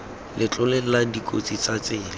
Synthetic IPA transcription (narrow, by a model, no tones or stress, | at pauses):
lʔɪt͡ɬʊlɛladikʼo̰t͡sit͡sat͡sɪːlɪ